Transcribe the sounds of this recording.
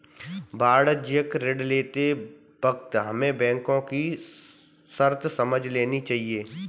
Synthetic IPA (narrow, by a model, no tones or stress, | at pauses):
baːɽd͡ʒjəkɾeɖleːt̪e | b̥əɡt̪ɦɐmẽbɛ̃ːŋkõki | səɾt̪ʰsəməd͡ʒʱleːnit͡ʃaːɦieː